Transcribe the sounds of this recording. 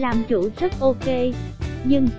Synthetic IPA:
laː˨˩mt͡ɕu˧˩˦zə˦˥t̚ʔo˧ke˧ɲɨ˧ŋ

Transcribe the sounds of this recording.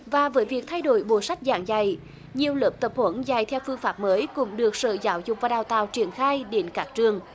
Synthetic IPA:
vaː˨˩vəː˨˦jvi˨˩ək̚t̪ʰa˧jɗo̰˧˩˦jɓo˧˩sa˦˥jk̟̚za̰ː˧˩ŋza˨˧˩j | ɲi˨˩əwləː˨˩p̚t̪ə˨˩p̚hwə˧˦nza˨˩jt̪ʰɛ˧wfɨ˧əŋfaː˦˥p̚məː˨˦jkʊ̰˧˥ŋ͡mɗɨ˨˩ək̚sə̰ː˧˨zaː˨˦wzʊ˨˩k͡p̚vaː˨˩ɗaː˨˩wt̪a̰ː˧˨wt͡ɕi˧˩ənxaː˧jɗe˨˦nkaː˦˥k̚t͡ɕɨ˨˩əŋ

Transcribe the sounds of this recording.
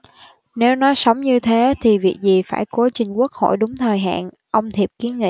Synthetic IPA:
ne˨˦wnɔ˨˦sə˨˦wŋ͡mɲɨ˧t̪ʰe˨˦t̪ʰi˨˩vi˨˩ək̚zi˨˩faː˧˩jko˨˦t͡ɕï˨˩ŋ̟ku˦˥ək̚ho̰˧˨jɗʊ˨˦ŋ͡mt̪ʰəː˨˩jɦa̰ː˧˨n | ʔə˧wŋ͡mt̪ʰi˨˩p̚ki˨˦ənŋḭ˧˨

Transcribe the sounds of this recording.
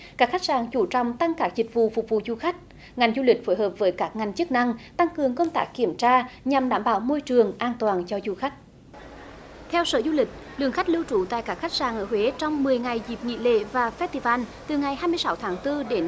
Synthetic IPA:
kaː˦˥kxa˦˥jk̚zaː˨˩ŋt͡ɕu˧˩t͡ɕɔ̰˧˨wŋ͡mt̪a˧ŋkaː˦˥k̚zï˨˩k̟̚vṵ˧˨fʊ˨˩k͡p̚vṵ˧˨zu˧˩xa˦˥k̟̚ | ŋa˨˩jŋ̟zu˧lï˨˩k̟̚fo˨˦jɦəː˨˩p̚vəː˨˦jkaː˦˥k̚ŋa˨˩jŋ̟t͡ɕɨ˦˥k̚na˧ŋt̪a˧ŋkɨ˨˩əŋkə˧wŋ͡mt̪aː˦˥kːi˧˩əmt͡ɕaː˧ɲa˨˩mɗaː˧˩mɓaː˧˦wmo˧jt͡ɕɨ˨˩əŋʔaː˧nt̪waː˨˩nt͡ɕɔ˧zu˧˩xa˦˥k̟̚ | t̪ʰɛ˧wsəː˧˩zu˧lï˨˩k̟̚ | lɨ̰˧˨əŋxa˦˥jk̚lɨ˧wt͡ɕu˧˩t̪a̰˧˨jkaː˦˥k̚xa˦˥k̚zaː˨˩ŋʔəː˧˩hwe˨˦t͡ɕɔ˧wŋ͡mmɨ˨˩əjŋa˨˩jzi˨˩p̚ŋḭ˧˨lḛ˧˨vaː˨˩fɛ˦˥t̪̚i˧˩vaː˧nt̪ɨ˨˩ŋa˨˩jhɦaː˧jmɨ˧əjsa˨˦wt̪ʰaː˨˦ŋt̪ɨ˧ɗe˨˦n

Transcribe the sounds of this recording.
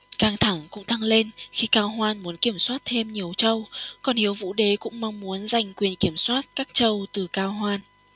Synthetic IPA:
kaː˧˩ŋt̪ʰa˧˩ŋkʊ̰˧˥ŋ͡mt̪a˧ŋle˧nxi˧kaː˧wɦwaː˧nmu˨˦ənki˧˩əmswaː˦˥t̚t̪ʰe˧mɲi˨˩əwt͡ɕə˧wkɔ˨˩nhi˨˦əwvṵ˧˥ɗe˨˦kʊ̰˧˥ŋ͡mma˧wŋ͡mmu˨˦ənza˨˩jŋ̟kwi˨˩ənki˧˩əmswaː˦˥t̚kaː˦˥k̚t͡ɕə˧wt̪ɨ˨˩kaː˧wɦwaː˧n

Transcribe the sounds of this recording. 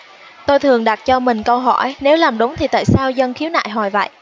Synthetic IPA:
t̪o˧jt̪ʰɨ˨˩əŋɗa˨˩t̚t͡ɕɔ˧mï˨˩ŋ̟kə˧wɦɔ˧˩jne˨˦wlaː˨˩mɗʊ˨˦ŋ͡mt̪ʰi˨˩t̪a̰ː˧˨jsaː˧wzə˧nxi˨˦əwna̰ː˧˨jɦɔ˧˩jvə̰˧˨jʔ

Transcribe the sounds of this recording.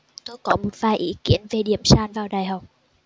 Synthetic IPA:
t̪o˧jkɔ˨˦mo˨˩t̚vaː˨˩jʔḭ˧˦ki˧˥ənve˨˩ɗi˧˩əmsaː˧nvaː˨˩wɗaː˨˩jɦa˨˩wk͡p̚

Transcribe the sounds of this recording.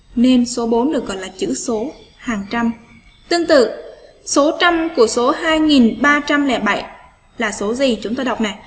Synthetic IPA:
ne˧nso˨˦ɓo˨˦nɗɨ˨˩ək̚ɣɔ̰˧˨jlaː˨˩t͡ɕɨ̰˧˥so˨˦ | haː˨˩ŋt͡ɕa˧m | t̪ɨ˧əŋt̪ɨ̰˧˨ | so˨˦t͡ɕa˧mku˧˩əso˨˦haː˧jŋi˨˩nɓaː˧t͡ɕa˧mlɛ̰˧˩ɓa˧˩j | laː˨˩so˨˦zi˨˩t͡ɕʊ˨˦ŋ͡mt̪oː˧jɗa˨˩wk͡p̚na˨˩j

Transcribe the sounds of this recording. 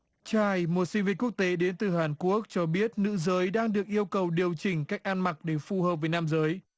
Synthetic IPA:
t͡ɕaː˧˩jmo˨˩t̚sï˧ŋvi˧ku˦˥ək̚t̪e˨˦ɗe˨˦nt̪ɨ˨˩haː˨˩nku˦˥ək̚t͡ɕɔ˧ɓi˦˥ət̚nɨ̰˧˥zəː˨˦jɗaː˧ŋɗɨ˨˩ək̚ʔi˧əwkə˨˩wɗi˨˩əwt͡ɕï˧˩ŋ̟kaː˦˥jk̟̚ʔaː˧nma˨˩k̚ɗe˧˩fu˨˩həː˨˩p̚vəː˨˦jnaː˧mzəː˨˦j

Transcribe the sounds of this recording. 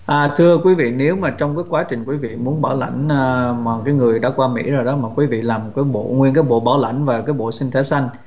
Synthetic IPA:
ʔaː˨˩t̪ʰɨ˧əkwi˨˦vḭ˧˨ne˨˦wmaː˨˩t͡ɕɔ˧wŋ͡mkaː˨˦jkwaː˨˦t͡ɕï˨˩ŋ̟kwi˨˦vḭ˧˨mu˨˦ənɓa˧˩wla̰˧˩jŋ̟ː˧maː˨˩kaː˨˦jŋɨ˨˩əjɗa̰ː˧˥kwaː˧mḭ˧˥zo˨˩jɗɔ˨˦maː˨˩kwi˨˦vḭ˧˨laː˨˩mkaː˨˦jɓo̰˧˨ŋwi˧ənkaː˨˦jɓo̰˧˨ɓaː˧˩wla̰˧˩jŋ̟vaː˨˩kaː˨˦jɓo̰˧˨si˧ŋ̟t̪ʰe˨˦sa˧jŋ̟

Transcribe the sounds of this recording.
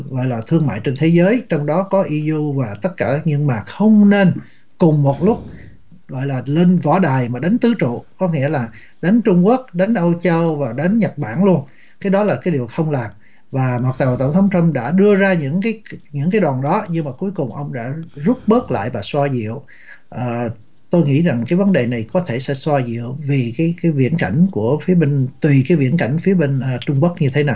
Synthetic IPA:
ɣɔ̰˧˨jlaː˨˩t̪ʰɨ˧əŋma̰ː˧˨jt͡ɕe˧nt̪ʰe˨˦zəː˨˦jt͡ɕɔ˧wŋ͡mɗɔ˨˦kɔ˨˦ʔi˧zu˧vaː˨˩t̪ə˦˥t̚kaː˧˩ɲɨ̰˧˥ŋmaː˨˩k̚xə˧wŋ͡mne˧n | kʊ˨˩ŋ͡mmo˨˩t̚lʊ˦˥k͡p̚ | ɣɔ̰˧˨jlaː˨˩le˧nvɔ̰˧˩ɗaː˨˩jmaː˨˩ɗa˨˦jŋ̟t̪ɨ˨˦t͡ɕṵ˧˨kɔ˨˦ŋḭ˧˥əlaː˨˩ | ɗa˨˦jŋ̟t͡ɕʊ˧ŋ͡mku˦˥ək̚ɗa˨˦jŋ̟ʔo˧wt͡ɕə˧wvaː˨˩ɗa˨˦jŋɲa˨˩t̚ɓa̰ː˧˩nlu˧ən | kaː˨˦jɗɔ˨˦laː˨˩kaː˨˦jɗi˨˩əwxə˧wŋ͡mlaː˨˩m | vaː˨˩mw̚t̪aː˨˩˨t̪ə̰˧˩ŋ͡mt̪ʰə˨˦wŋ͡mt̪ə˧mɗa̰ː˧˥ɗɨ˧əzaː˧ɲɨ̰˧˥ŋkaː˨˦jɲɨ̰˧˥ŋk̬aː˨˦jɗwaː˨˩nɗɔ˨˦ɲɨ˧ŋmaː˨˩ku˨˦jkʊ˨˩ŋ͡mʔə˧wŋ͡mɗa̰ː˧˥zu˦˥t̚ɓəː˦˥t̚la̰ː˧˨jvaː˨˩swaː˧zḭ˧˨əw | ʔəː˨˩ | t̪o˧jŋḭ˧˥za˨˩ŋkaː˨˦jvə˨˦nɗe˨˩na˨˩jkɔ˨˦t̪ʰe˧˩sɛ̰˧˥swaː˧zḭ˧˨əwvi˨˩kaː˨˦jkaː˨˦jvḭ˧˥ənka˧˩jŋ̟ku˧˩əfi˨˦əɓi˧ŋ̟t̪wi˨˩kaː˨˦jvḭ˧˥ənka˧˩jŋ̟fi˨˦əɓe˧ŋ̟əː˨t͡ɕʊ˧ŋ͡mku˦˥ək̚ɲɨ˧t̪ʰe˨˦na˨˩j

